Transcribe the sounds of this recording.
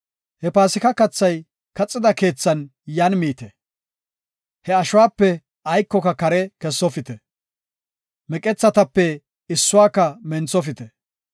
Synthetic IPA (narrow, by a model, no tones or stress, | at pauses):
hɛpaːsɪkɐkɐt͡sːɐj | kɐt͡sʼːɪd̪ɐke̞ːt͡sːɐnjɐːnmiːt̪ɛ | hɛɐʃʊwaːpːɛ | ɐjkːɔkɐkɐɾɛkɛsːɔfɪt̪ɛ | mɛkʼɛt͡sːɐt̪ɐpːɛ | ɪsːʊwaːkːɐmɛnt͡sɔfɪt̪ɛ